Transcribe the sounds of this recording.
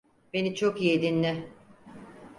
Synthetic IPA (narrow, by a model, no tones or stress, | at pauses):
be̞nit͡ʃʰokijed̪inlʲɪ